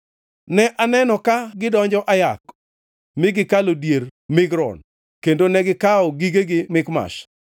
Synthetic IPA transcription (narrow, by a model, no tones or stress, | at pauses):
nɛʔanɛnɔkaɡɪdɔɲd͡ʒɔʔajak | mɪɡɪkalodjermɪɡɾɔ̰n | kendonɛɡɪkaɔɡiɡeɡɪmɪkma̰ʃ